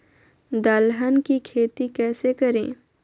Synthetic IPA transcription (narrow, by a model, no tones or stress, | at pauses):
d̪aːlɦənkikʰeːt̪ikɛːsekɐɾẽː